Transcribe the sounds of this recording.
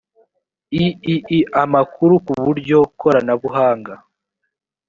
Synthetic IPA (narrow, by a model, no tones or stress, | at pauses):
iiiamakuɾukuβuɾɟo̞kʰoɾanaβuɦaːŋɡa